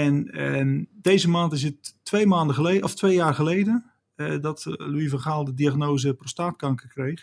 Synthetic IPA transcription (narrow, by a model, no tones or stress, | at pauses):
ɛn | dejzəmaːntɪs̬ətːʋejmaːndəχəleɔftʋejjaːrχəlejdə | dɔtluivəχaːlˠdədiaχnowzəprostaːtkɑŋkəkrejχ